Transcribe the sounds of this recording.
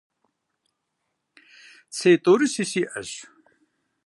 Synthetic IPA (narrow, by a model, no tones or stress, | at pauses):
t͡sʰeːt̪oːɾisisiʔɐ̰ɕ